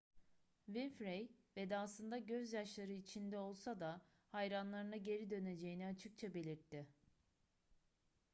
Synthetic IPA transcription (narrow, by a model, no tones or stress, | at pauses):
vinfɾejvɛd̪ɛːslˠɯnd̪aɟø̞zjaʃlˠaɾɯit͡ʃʰind̪ɛo̞lˠsad̪a | hajɾanlˠaɾɯnaɟe̞ɾid̪ø̞ne̞d͡ʒe̞jiniat͡ʃʰɯk̚t͡ʃʰabe̞lʲiɾt̪ʰːɪ